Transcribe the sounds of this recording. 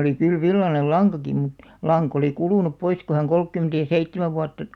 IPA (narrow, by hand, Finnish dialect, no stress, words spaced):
oli kyl ʋilːɑnel lɑŋkɑki mut lɑŋk oliˑ kuluˑnup pois ku hæŋ kolkːymĕntæ jɑ seitːemæʋ ʋuɑtːɑ